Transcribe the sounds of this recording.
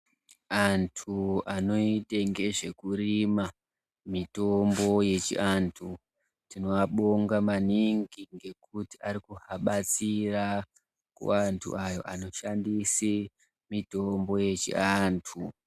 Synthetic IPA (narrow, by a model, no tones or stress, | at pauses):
antʰuano̞iteŋɡe̞ʐe̞kurima | mito̞mbo̞je̞t͡ʃḭʔantʰu | tino̞aɓoŋɡamaniŋɡiŋɡe̞kutiaɾikuɦaɓat͡sira | kṵantʰṵajo̞̰ʔano̞ʃandisi | mito̞mbo̞je̞t͡ʃḭantʰu